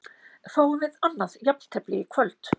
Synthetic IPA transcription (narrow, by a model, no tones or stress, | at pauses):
faːwʏvɪðanːaðjapl̥t̪ʰɛplɪkʰvœlt̪